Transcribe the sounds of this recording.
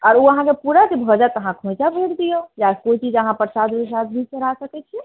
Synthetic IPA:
ɔɾuəɦãkepuɾakebʱəd͡ʒat̪əɦãkʰõjt͡ʃabʱeɽd̪ijəd͡ʒakoit͡ʃid͡ʒəɦãpəɾsad̪besad̪bʱid͡ʒt͡ʃəɾ̤asəkɛt͡ʃʰɛ

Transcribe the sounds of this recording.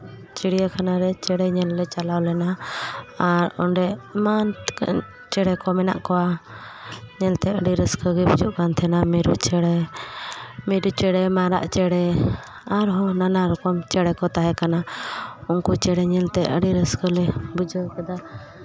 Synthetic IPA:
t͡ʃiɽijakʰanaɾɛt͡ʃɛɽɛɲɛlːɛt͡ʃalawlɛna | aɾɔ̰ɳɖɛmank | t͡ʃɛɽɛkɔmɛna̰ʔkɔwa | ɲɛlt̪ɛəɖiɾəskəɡibud͡ʒuʔkant̪ʰɛnamiɾṵʔt͡ʃɛɽɛ | miɾut͡ʃɛɽɛmaɾa̰ʔt͡ʃɛɽɛ | aɾɦɔnanaɾɔkɔmt͡ʃɛɽɛkɔt̪aɦɛkanaunkut͡ʃɛɽɛɲɛlt̪ɛʔə̰ɽiɾəskəlɛbud͡ʒəkɛd̪a

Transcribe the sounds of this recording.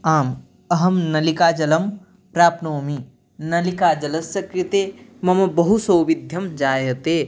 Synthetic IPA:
aːm | əɦəmnɐlikaːd͡ʒɐləm | pɾaːpnoːmi | nɐlikad͡ʒɐlɐsɐkɾit̪emɐmɐbɐɦusowʋid̪ʱjɐmd͡ʒaːeɐt̪e

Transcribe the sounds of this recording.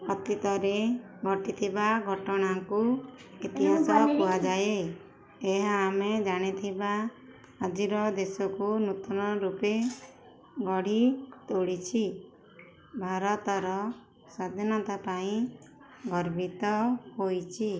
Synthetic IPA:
ɔt̪it̪ɔɾeɡʱɔʈit̪ʰibaɡʱɔʈɔɽ̃aŋkuit̪iɦasɔkpuad͡ʒaje | eɦaːmed͡ʒaɽ̃it̪ʰibaː | d͡ʒiɾɔd̪esɔkunut̪ɔnɔɾupe | ɡɔɽ̤it̪oɽit͡ʃʰi | bʱaɾɔt̪ɔɾɔ | sad̪ʱinɔt̪apaĩ | ɡɔɾbʱit̪ɔhojt͡ʃʰi

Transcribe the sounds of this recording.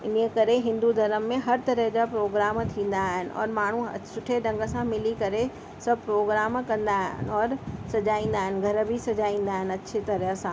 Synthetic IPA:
ɪnkɐɾeɦɪ̃nd̪ud̪ʱɐɾəmːẽɦɐɾt̪ɐɾəɦd͡ʑapɾoːɡɾaːmt̪ʰĩːn̆d̪aɦɪnɪ̆ʔɔ̰ːɾmaːɳ̤ṵsʊʈʰeɖɐ̃ŋɡə̆sãmɪlikɐɾe | sɐb̚pɾoːɡɾaːmkɐ̃nd̪aːɦnɔːɾsɐd͡ʑaːĩːn̆d̪aːɦɪnɡʱɐɾbʱisɐd͡ʑaːĩːn̆d̪aːɦɪnɐtːɕʰet̪ɐɾəɦə̆sãː

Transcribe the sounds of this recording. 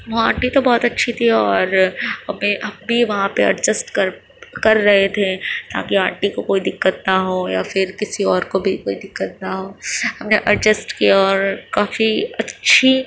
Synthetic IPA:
ʋoaːʈit̪obɔːt̪ɐtːʃʰit̪ʰiɔːɾɦɐmẽɐmbʱiʋɐɦãpeɐ̰ɾd͡ʒəsʈkɐɾ | kɐɾːɐɦet̪ʰet̪a̰ːkiaːɾʈikokoːid̪ɪkːət̪nɐɦoːjafɪɾkɪsiɔːɾkobʱikoːid̪ɪkːət̪̚naɦoːhɐmneʔɐɾd͡ʒəsʈkijaɔːɾkaːfiɐtːʃʰi

